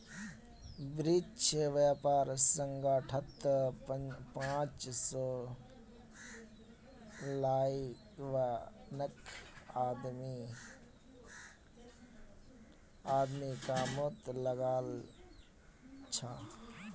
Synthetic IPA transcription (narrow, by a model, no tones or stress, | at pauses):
bɾit͡ʃʋjaːpaːɾsəŋɡaːʈʰɐt̪ | pãːt͡ʃsɔː | laːi | ʋanəkaːd̪mi | aːd̪mikamot̪lɐɡaːl | t͡ʃʰa